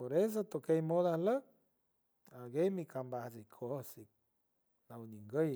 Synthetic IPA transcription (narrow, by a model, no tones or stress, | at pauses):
poɾes̬ot̪okejmod̪ahlə | aɡejmikʰambahsikʰosik̚ | nawniŋɡəj